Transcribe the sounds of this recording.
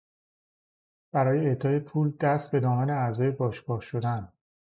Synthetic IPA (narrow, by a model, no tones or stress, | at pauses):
b̥æɾɒːjeːt̪ʰɒːjepʰuːld̪̥æst̪̚be̞d̪ɒːmæneæɾzɒːje̞bɒːʃɡɒːhʃo̞d̪æn